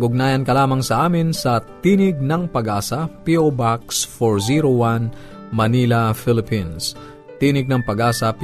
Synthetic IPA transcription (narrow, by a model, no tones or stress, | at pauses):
ɡʊɡ̚naːjɐnkɐlaːmɐŋsɐʔaːmɪnsɐt̪iːnɪɡ̚nɐŋpɐɡʔaːsɐpiʔobak̚sfoɹziɾowan | mɐnilɐfɪlɪpins | t̪iːnɪɡ̚nɐŋpɐɡaːsɐp